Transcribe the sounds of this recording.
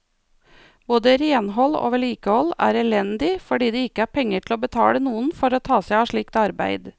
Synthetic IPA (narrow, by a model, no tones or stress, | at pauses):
boːd̪əɾeːnɦɔlo̰ːʋɛɭiːkəhɔlæ̰ːɾɛlɛnd̪ɪfɔɖiːd̪ɛːɪkːəæːɾpʰɛŋːəʈʰɪloːbət̪ʰɑ̰ːlənuːənfɔɾoːt̪ʰɑːsæɪɑːʂɭiːk̚t̪ɑɾbæɪd̪